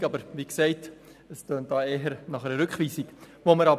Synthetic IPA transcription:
kɑbəɾʋiksɛɪt | əstøːnt̚d̥ɑːeːɦəɾnɑχɛɾəɾɵkχʋiːsiɡ | ʋoməɾɑb

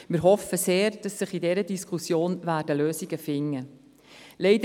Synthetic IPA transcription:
mɪɾɦɔfəseːɾd̥ɑsːəχidɛɾədiskʰusjoːnvæːɾdəløːsiɡəfɪŋːə | leɪdə

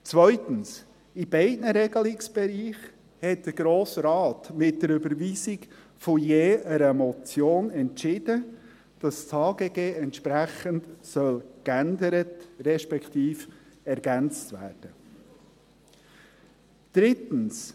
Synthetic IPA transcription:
t͡svœʏtəns | ɪbɛɪtnəɾɛɡəlɪksb̥ɛɾiːχ | hɛt̚d̪̥əɾɡɾoːsɾɑːtmɪt̚d̥əɾʉbəɾviːsɪk | fɔjeːʔəɾəmɔt͡sjoːnɛntt͡ʃɪd̥ə | d̥ɑst͡shɑːɡeɡeːʔɛntʃpɾæχəntsœlkændəɾətɾɛʃpɛkʰtiːfɛɾɡænt͡st̪væ̰ːɾd̥ə | d̪̥ɾɪtən̩s

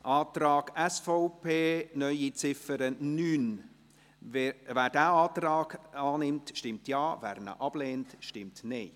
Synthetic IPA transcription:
ʔɑːtɾɑːɡ̥ɛsfɔʊpʰeːnœʏit͡sɪfəɾənyːn | væːɾdæːɑːtrɑːɡɑːnɪmtʃtɪmtjɑːvæ̰ːɾnə̰ʔɑb̥leːntʃtɪmtneː

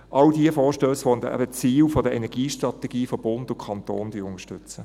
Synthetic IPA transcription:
ʔɑldiəfɔːʃtøːsʋɔlt̪əæ̰bət͡siːlfɔdəɛnɛɡ̥iːʃtʁɑtɛɡ̥iːfob̥ʊndʊkʰɑntoːnd̥yːʊnəʃtʏt͡sə

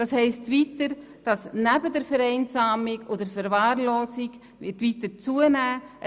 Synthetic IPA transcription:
d̥ɑshɛɪstviːtəɾ | d̥ɑsnæbədɛɾfɛɾɛɪnsaːmɪɡodəɾfɛɾvaːɾloːsɪɡ | vɪtʋitət͡suənæːʔ

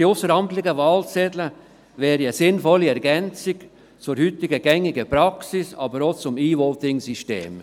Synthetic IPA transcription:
iʊsəɾhɑntlɪɡəvɑːlt͡sɛdlə | vɛːɾiəsɪnfɔliɛɾɡɛnt͡sɪɡ | t͡sʊɾhyt̪ɪɡəɡ̥ɛŋɪɡəpɾɑksɪsɑ̰ːbəɾot͡sʊmiːʋɔt̪ɪŋsiʃtḛːm

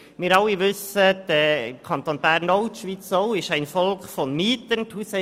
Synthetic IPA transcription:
mɪːɾɑlːiʋʏsəd̥əkʰɑntoːnbæːrnɔʊtʃʋit͡soʊɪʃæɪnfɔlkfɔnmiːt̪ənthusɛ

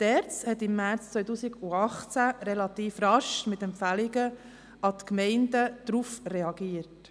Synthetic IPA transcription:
tɛɾt͡shɛtɪmːæɾt͡st͡sʋœʏtuːsiɡʊɑχt͡sæɾɛlɑt̪iːfɾɑʃmɪtɛmpfæliɡə | ɑtkmɛɪndəd̪̥ɾufrɛɑɡiəɾt

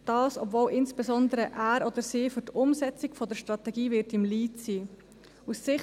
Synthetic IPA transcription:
d̥ɑːsɔbvoːlʔɪnsb̥esɔnd̪əɾəʔæːɾɔd̪əɾsiːfʏɾtʊmsɛt͡sɪɡfɔd̪əʃtɾɑt̪ɛɡiːvɪɾtɪmliːtsiː | usːɪχ

